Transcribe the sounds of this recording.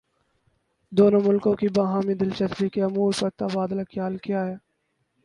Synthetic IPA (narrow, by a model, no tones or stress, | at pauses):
d̪oːnõmʊlkõkibaɦaːmĩd̪ɪlt͡ʃɐsikeɐmuːɾpɐɾt̪ɐbaːd̪əlɐkjaːlkijaːɦjaː